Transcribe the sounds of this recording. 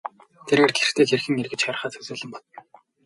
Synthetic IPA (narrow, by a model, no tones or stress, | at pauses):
t̪ʰeɾeːrɡer̥t̪ʰeːxerxɘ̆ŋerɣɘ̆t͡ɕχœːɾ̆χaːt͡sʰɵsʊːɮɘ̆mpɔ̥t̪ɞ̆n